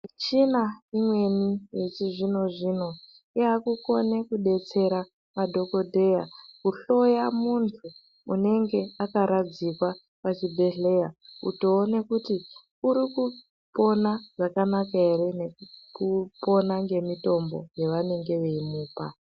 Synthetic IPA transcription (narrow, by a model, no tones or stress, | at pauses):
t͡ʃinaimwe̞nijet͡ʃiʐino̞ʐino̞ | iakuko̞ne̞kuɗe̞t͡se̞ɾa | madʱo̞ko̞dʱe̞jakuɬo̞jamuntʰuː | ne̞ŋɡe̞akaɾad͡zikwa | pat͡ʃibʱe̞ɬe̞jaṵto̞ːnekuti | uɾiku | po̞naʐakanakaeɾinekupo̞naŋɡe̞mito̞mbo̞̰jeʋane̞ŋɡe̞ʋeimuːpa̰